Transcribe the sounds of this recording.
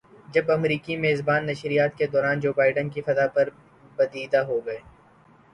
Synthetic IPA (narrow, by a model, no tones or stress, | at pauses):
d͡ʒɐbɐmɾiːkimeːzbaːnːɐʃɾijaːt̪ked̪ɔːɾaːnd͡ʒoːbaːɪɖənkifɐzapɐɾ | bɐd̪iːd̪aɦoːɡɐeː